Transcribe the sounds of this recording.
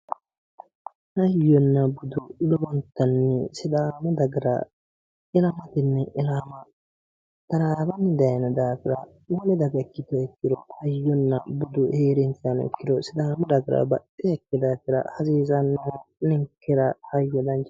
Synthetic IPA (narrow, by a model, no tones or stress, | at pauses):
hɐjːɔnːɐbʊd̪ʊlɔbɔnt̪ːɐnːɛsɪd̪aːmɔd̪ɐɡɪɾɐ̰ | ɪlɐmɐt̪ɪnːɛʔɪlaːmɐ | t̪ɐɾaːbɐnːɪd̪ɐjnɐd̪aːfɪɾɐ̰ | wɔlɛd̪ɐɡɐɛkːɪt̪ɔɛkːɪd̪ɔhɐjːɔnːɐbʊd̪ʊheːɾɛnt̪ɪanɛ̰kːɪd̪ɔsɪd̪aːmɔd̪ɐɡɪɾɐ̰bɐtːɪɛkːɪd̪aːfɪɾɐ̰hɐziːzɐnːnɪŋkːɪɾɐhɐjːɔd̪ɐnt͡ʃ